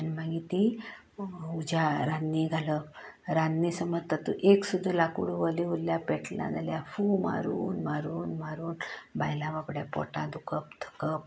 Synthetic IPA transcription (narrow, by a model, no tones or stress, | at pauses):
anmãɡit̪i | ud͡ʑaɾanːiɡʱaləɾanːisəmət̪at̪ːuʔeksud̪ʱːəlakuɽuʋəliʋulːjapɛʈlã̰d͡zaljafuma̰ɾuːnmaɾuːnmaɾuːnbajlãʋapɽjapɔ̰ʈã̰d̪ukəp̚t̪ʰə̥kəp̚